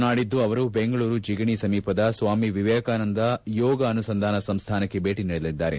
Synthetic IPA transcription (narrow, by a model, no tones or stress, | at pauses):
naːɽid̪ːuɐʋɐɾubeŋɡɐɭuːɾud͡ʒiɡɐɳisɐmiːpɐd̪ɐsʋaːmiʋiʋɛːkaːnɐnd̪ɐjɔːɡɐːnusɐnd̪ʱaːnɐsɐmst̪ʰaːnɐkːe̞bʱeːʈiniɭlid̪ːaːɾe